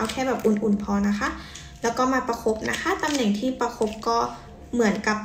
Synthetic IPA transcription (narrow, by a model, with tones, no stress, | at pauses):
a˧wkʰɛː˧˩bɛː˨˩p̚ʔu˨˩nʔu˨˩npʰɔː˧na˧˦˥kʰa˧˥˨ | lɛː˦˥wkɔː˥˩maː˧˩pa˧kʰo˦˥p̚na˦˥kʰa˧˥t̪a˧mnɛ˨˩ŋt̪ʰiː˧˩pa˧kʰo˦˧˥p̚kɔː˧˥˩ | mɯ˩˦ənka˧˥p̚